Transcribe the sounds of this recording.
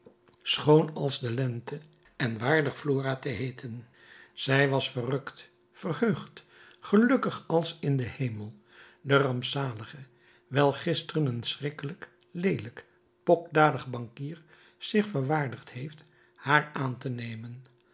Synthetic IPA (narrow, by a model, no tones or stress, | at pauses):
sχownɑlˠzdəlɛntə | ɛnʋaːɹdəχfloːraːtəɦejtʰən | z̥ɛjʋɑsfərɵkt | fərhøɥχt | χəlɵkəχɑlˠsɪndəhejməlˠ | dərɑmpsaːləχə | ʋɛlˠχɪstərənənsrɪkələk | lejlək | pɔk̚daːdəχbɑŋkiːɹ | z̥ɪχfəɹʋaːɹdəχthejft | haːɹaːntənejmən